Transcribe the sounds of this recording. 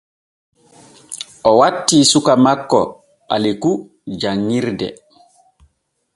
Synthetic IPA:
ʔɔwatːiːsukamakːɔ̰ | ɓaliku | d͡ʒaŋːiɾdɛ̰

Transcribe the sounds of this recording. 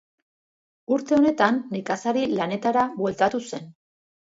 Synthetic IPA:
uɾt̪e̞o̞ne̞t̪anːikasaɾilane̞t̪aɾaβwe̞lt̪at̪use̞n

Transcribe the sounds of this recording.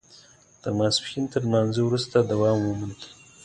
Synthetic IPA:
t̪əɾmasfxint̪əɾnɑnzewɾust̪ad̪awɑmwəmənd̪

